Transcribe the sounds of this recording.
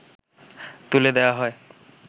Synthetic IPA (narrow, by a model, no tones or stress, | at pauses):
t̪uled̪ɛoaɦɔe